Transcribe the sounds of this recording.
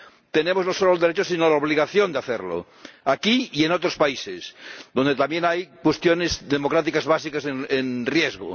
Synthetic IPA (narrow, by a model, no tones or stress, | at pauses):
t̪enemoznosolold̪eɾet͡ʃosinolaoβ̞liɣaθjond̪eaθeɾlo̰ | akiienot̪ɾospaisesðo̞nd̪et̪amjẽnajkwest̪jonezðemokɾat̪̬ikazβasikasenenrjezɣo̰